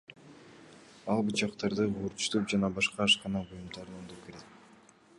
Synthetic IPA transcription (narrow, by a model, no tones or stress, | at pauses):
ɑlˠbut͡ʃɑqt̪ɑɾd̪ɯʁuɾʃt̪up̚d͡ʒɑnɑbɑʃqɑːʃqɑnɑbujumd̪ɑɾnˠond̪up̚ke̞ɾet̪̚